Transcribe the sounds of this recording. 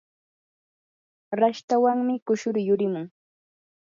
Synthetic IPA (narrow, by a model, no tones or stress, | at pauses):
ɾaʃt̪awaŋmɪkʊʃʊɾjʊɾɪmʊŋ